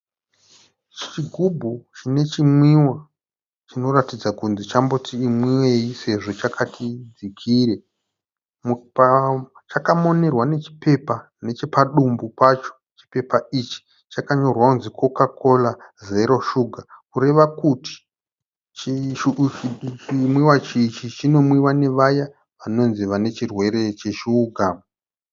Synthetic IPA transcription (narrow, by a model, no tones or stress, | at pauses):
t͡ʃt͡ʃiɡʱubʱut͡ʃine̞t͡ʃimwiwa | t͡ʃino̞ratid͡zakunzit͡ʃambotʰiːmwiwe̞jise̞ʐo̞t͡ʃakʰatʰid͡zikʰiːɾe̞ | mupt͡ʃakamo̞ne̞rwane̞t͡ʃi̥pe̞pa | ne̞t͡ʃe̞paɗumbupat͡ʃo̞̥ | t͡ʃi̥pe̞pait͡ʃi̥ | t͡ʃakaɲo̞rwakunzikʰo̞kako̞laze̞ɾo̞ʃuɡʱakuɾe̞ʋakuti̥ | t͡ʃi | t͡ʃimwiwat͡ʃit͡ʃit͡ʃino̞mwiwane̞ʋaja | ʋano̞nziʋane̞t͡ʃirwe̞ɾe̞t͡ʃe̞ʃiːɡʱa